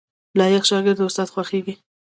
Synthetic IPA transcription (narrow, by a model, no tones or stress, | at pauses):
lɑjakʃɑɡɪɾd̪ʊst̪ɑd̪xwaxeɡi